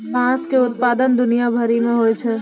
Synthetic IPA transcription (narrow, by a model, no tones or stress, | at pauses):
mãːskeʊt̪̚paːd̪ənd̪ʊnijabʱɐɾimẽɦoːet͡ʃʰɛ